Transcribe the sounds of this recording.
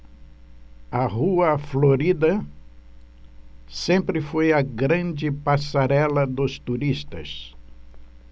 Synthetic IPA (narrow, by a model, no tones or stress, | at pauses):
ɐʁuɐfloɾid̪ɐ | sẽmpɾɪfojɐɡɾɐ̃d͡ʒɪpasaɾɛlɐd̪ʊst̪uɾist̪ɐ̰s